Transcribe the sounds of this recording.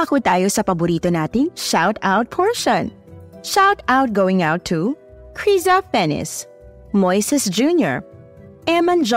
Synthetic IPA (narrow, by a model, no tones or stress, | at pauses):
ɐkut̪aːjosɐpɐbʊɾiːt̪onaːt̪ɪŋʃawt̪awt̪̚pʰɔɹʃɔ̃n | ʃawt̪awt̪̚ɡowɪ̃ŋawt̪ʰːu | kʰɹizɐfɛnɪ̰s | mɔjsɛsd͡ʒuːnjɔ̰ɹ | ʔɛmɐnd͡ʒ